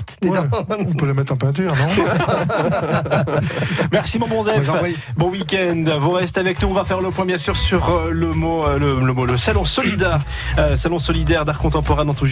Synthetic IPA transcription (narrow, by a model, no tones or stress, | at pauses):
eɔ̃pøləmɛt̪χɑ̃pɛ̃t̪̬yʁnɔ̃ɛ | mɛʁsimɔ̃bɔ̃zɛf | bɔ̃wikʲɛ̃nd̪vuʁɛst̪avɛknuɔ̃vafɛʁləpwɛ̃bjɛ̃syʁsyʁləmolələmoləsalɔ̃sɔlid̪ɛʁ | əsalɔ̃sɔlid̪ɛʁd̪aʁkɔ̃t̪ɑ̃pɔʁɛ̃nɑ̃t̪uʒ